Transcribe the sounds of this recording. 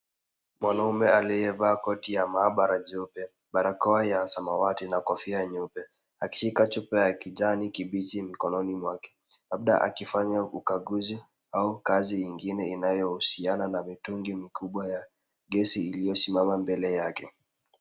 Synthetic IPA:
mwanaumɛalijɛvaːkɔtijamaːɓaɾaʄɔpɛ | ɓaɾakɔajasamawatinakɔfiaɲɔpɛ | aki̥ʃikat͡ʃupɛjakiʄanikiɓit͡ʃim̩kɔnɔnimwakɛ̥laɓ̚ɗa̰ʔa̰kifaɲaukaɠuzi | aukazijiŋɡinɛinajɔhusiananamituŋɡimikʰuɓwaja | ɡɛsiːlijɔsimamambɛlɛjakɛ

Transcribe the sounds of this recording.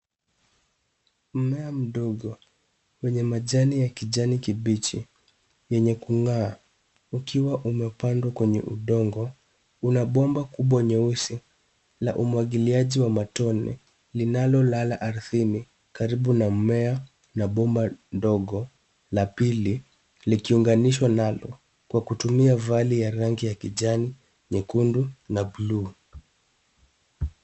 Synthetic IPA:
m̩mɛam̩ɗɔɡɔ | wɛɲɛmaʄanijakiʄanikiɓit͡ʃi | jɛɲɛkuŋaː | ukiwaʔumɛpandwakwɛɲɛ̰ʔuɗɔŋɡɔ | unaɓɔmbakuɓwaɲɛusi | la̰ʔumwaɠiliaʄiwamatɔnɛ̰ | linalɔlalaʔaɾuθini | kaɾiɓunamɛa | naɓɔmbandɔɠɔ | lapili | likiuŋɡaniʃwanalɔ̰ | kwakutumiavalijaɾaŋɡijakiʄani | ɲɛkundunabluː

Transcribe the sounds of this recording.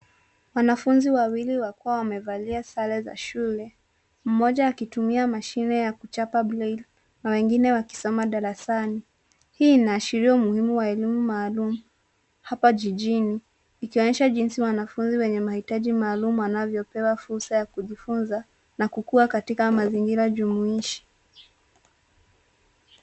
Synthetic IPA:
wanafunziwawiliwakuawamɛvaliasalɛza̰ʃulɛ | m̩mɔʄaːkitumiamaʃinɛjakut͡ʃapablɛl | nawɛŋɡinɛwaki̥sɔmaɗaɾasani | hiːnaːʃiɾiɔmuhimuwaɛlimumaːlumu | hapaʄiʄiniː | kiɔɲɛʃaʄinsiwanafunziwɛɲɛmahitaʄimaːlumuwanavjɔpɛwafuɾsajakuʄifunza | nakukuakatikamaziŋɡiɾaʄumuiʃi̥

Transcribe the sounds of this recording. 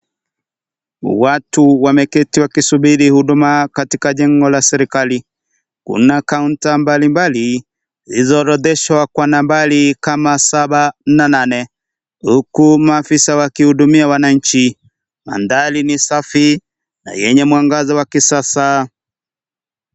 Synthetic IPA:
watuwamɛkɛtiwakisuɓiɾihuɗumakatikaʄɛŋɡɔlasɛɾikali | kṵnakauntambalimbali | izɔɾɔðɛʃwakwanambalikamasaɓanananɛ | hukumaːfisawakihuɗumiawanaɲ̩t͡ʃi | ma̰ndalinisafi | na̰jɛɲɛmwaŋɡazɔwakisasa

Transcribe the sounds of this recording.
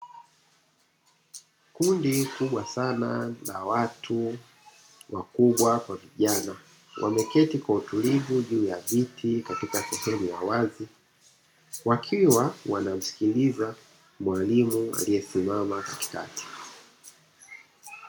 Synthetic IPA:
kundikuɓwasanalawatʰu | wakuɓwakwaviʄana | wʔa̰mɛkɛtikwautulivuʄuːjavitʰikatikasɛhɛmujawazi | wakʰiwawanam̩si̥kiliza | mwalimua̰lijɛsimamakati̥ka̰ti̥

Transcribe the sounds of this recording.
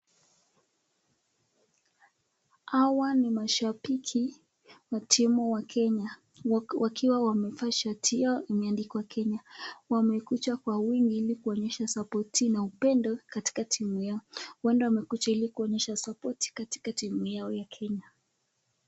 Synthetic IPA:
awanimaʃapikʰi | watʰimuwakʰɛɲa | wakʰiwawamɛfaʃatʰiɔimɛandikɔwakʰɛɲawamɛkut͡ʃakwawiŋɡiilikuɔɲɛʃasapɔtinaupɛndɔkati̥katʰimujaɔwandɔwamɛkut͡ʃailikuɔɲɛʃasapɔti̥kati̥katimujaɔjakʰɛɲa

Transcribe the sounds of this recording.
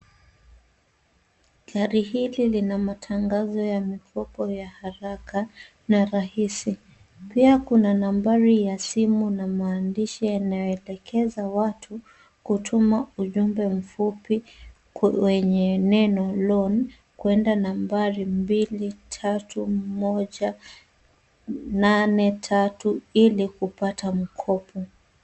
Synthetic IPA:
ɡaɾihililinamatʰaŋɡazɔjamikʰɔpɔjahaɾaka | naɾahisi | piakunanambaɾijasimunamaːndiʃijanajɔɛlɛkʰɛzawatʰu | kutʰumauʄumbɛm̩fupi | wɛɲɛnɛnɔlɔn | kwɛndanambaɾimbilitʰatumɔʄa | nanɛtʰatuilikupatam̩kʰɔpʰɔ

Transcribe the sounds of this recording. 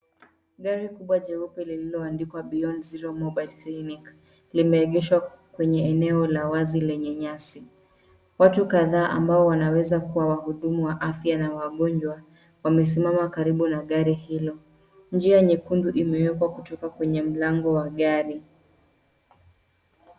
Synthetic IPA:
ɠaɾikuɓwad͡ʒɛupɛlililɔandikwaɓiɔnziɾɔmɔɓalklinik | limɛːɠɛʃwa | kwɛɲɛɛnɛɔlawazilɛɲɛɲasi | watukaðaːʔa̰mbaɔwanawɛzakuwawahuɗumuwaʔafjanawaɠɔɲd͡ʒwa | wamɛs̬imamakaɾiɓunaɠaɾihilɔ | nd͡ʒiaɲikunduʔimɛwɛkwakutɔkakwɛɲɛm̩laŋɡɔwaɠaɾi

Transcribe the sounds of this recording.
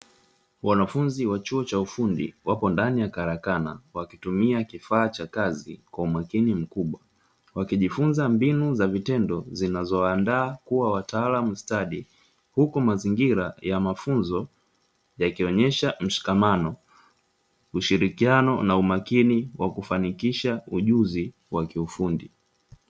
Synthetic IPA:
wanafunziwat͡ʃuɔt͡ʃaufundḭwapɔndanijakaɾakana̰wakitumiakifaːt͡ʃakazikwaumakinim̩kuɓwa | wakiʄifunzambinuzavitɛndɔzinazɔwaːndaːkuwawataːlamustaɗi | hukumaziŋɡiɾajamafunzɔ | jakiɔɲɛʃam̩ʃi̥kamanɔ | uʃiɾikianɔnaumakiniwʔakufanikiʃauʄuzi | wakiufundi

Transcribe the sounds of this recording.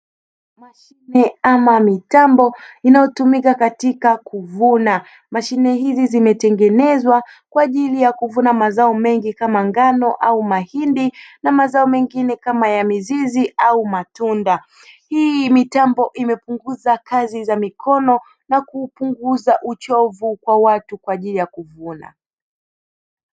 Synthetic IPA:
maʃinɛamamitambɔinajɔtumikakatikakuvuna | maʃinɛhizizimɛtɛŋɡɛnɛzwakwaːʄilijakuvunamazaɔmɛŋɡikamaŋɡanɔʔaumahindinamazaɔmɛŋɡinɛkamajamiziziʔaumatunda | himitambɔʔimɛpuŋɡuzakazizamikɔnɔ | nakuːpuŋɡuzaʔut͡ʃɔvukwawatukwaːʄilijakuvuna̰

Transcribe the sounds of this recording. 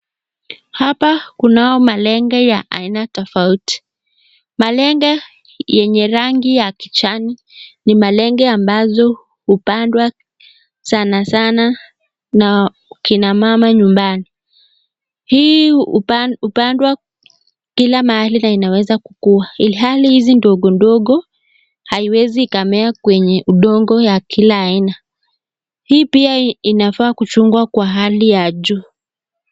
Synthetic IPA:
hapakunajɔmalɛŋɡɔjaʔa̰inatɔfauti̥ | malɛŋɡa | jɛɲɛɾaŋɡijakit͡ʃani | nimalɛŋɡɛambazɔ | hupandwa | sanasana | na | ukinamamaɲumbani | hiː | upandwa | kilamahalinainawɛzakukuailiɦalihizindɔɠɔndɔɠɔ | haiwɛziːkamɛakwɛɲɛʔuɗɔŋɡɔjakʰilaːina | hiːpiainafaːkut͡ʃuŋɡwakwaɦalijaʄuː

